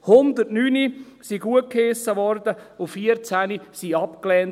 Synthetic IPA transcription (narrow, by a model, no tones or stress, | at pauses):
hʊnd̪ətnyːni | siɡuət̚kʰesːəʋɔrdəʊfiəɾt͡sænisiɑpklɛːn